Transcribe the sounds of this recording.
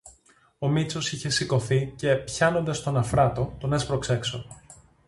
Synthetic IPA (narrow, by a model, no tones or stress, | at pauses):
o̞mit͡so̞siçe̞siko̞θice̞pçɐno̞nd̪ɐst̪o̞nɐfɾɐt̪o̞t̪onespɾo̞kse̞kso̞̰